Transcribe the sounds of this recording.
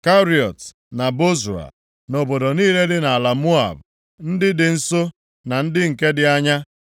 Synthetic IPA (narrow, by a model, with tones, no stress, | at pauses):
ka˦ɾi˨ɔ˨t | na˨bo˦za̰˨ | no˨bo˨do˨niː˦le˦dɪ˦na˨a˨la˨mu˦a̰˨b | n̩˦dɪ˦dɪ˨n̩˦so˦ | na˨n̩˦dɪ˦ŋ̩˨ke˦dɪ˨a˦ɲa˦